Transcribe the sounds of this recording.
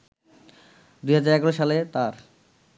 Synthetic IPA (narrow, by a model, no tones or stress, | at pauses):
d̪ujɦad͡ʑaɾɛɡaɾoʃalet̪aɾ